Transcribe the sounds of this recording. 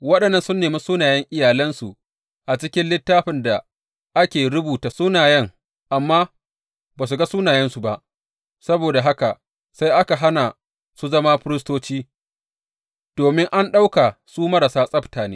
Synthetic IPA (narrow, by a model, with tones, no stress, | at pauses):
wɐ˦ɗɐ˨nːɐ˦nsʊ˦nːeː˨ma˦suː˦naː˨jɛ˦ŋʔɪ˦jaː˨lɐ˦nsu˨ | ʔa˨t͡ʃɪ˦kʲɪ˦nlɪ˦tːaː˦ɸɪ˨nda˨ | ʔa˦kʲeː˨ɽʊ˦buː˨ta˨sʊ˦naː˨jɐ˦˨ŋ | ʔa˨mːaː˦ | baː˨s̬u˨ɡa˦su˦naː˨jɛ˦nsu˨ba˦ʔ | sɐ˦boː˨da˨ɦa˦ka˨ | sa˦jʔa˦ka˨ɦa˦na˨ | su˦zɐ˦ma˦ɸɪ˦ɾɪ˦s̬toː˦t͡ʃiː˦ | d̥oː˨mɪ˦ŋʔa˦nɗa˦wka˨suː˦mɐ˦ɾa˨saː˦sʼɐ˦btaː˨neː˦